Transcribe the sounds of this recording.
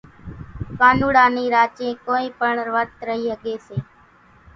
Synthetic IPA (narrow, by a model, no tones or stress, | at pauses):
kaːnuːɽãːniːɾaːt͡ʃẽːkoːĩːpəɳʋət̪ɾəɦiːɦəɠeːseː